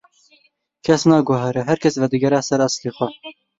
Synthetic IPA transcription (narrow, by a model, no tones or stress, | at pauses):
kʰɛsnɑːɡɔɦɛɾɛɦɛɾkʰɛsvɛd̪ɨɡɛɾaːsɛɾɑsleːxwɛ